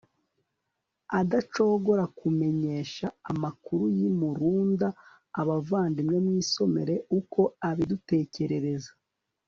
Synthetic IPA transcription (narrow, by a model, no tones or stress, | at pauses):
adat͡ʃo̞ɡo̞ɾakume̞ɲe̞ːʃaːmakuɾujimuɾuːndaː | βavaːndimŋe̞mwiːso̞me̞ɾe̞uko̞aβidute̞ːce̞ɾe̞ɾe̞zḁ